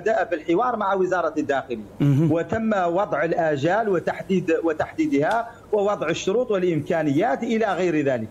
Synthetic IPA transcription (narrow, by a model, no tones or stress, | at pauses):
d̪aʔabəlħɪwɑɾˤmaʕawəzɑɾˤɑd̪ːaxɪləjːawət̪əmːwɑd̪ˤʕəlʔæʒælwət̪aħd̪id̪wət̪aħd̪iːd̪ha | wəwɑd̪ˤʕəʃːʊɾuːt̪ˤwəlʔɪmkanəjːaːt̪ʔəlaɣəjɾðæːlək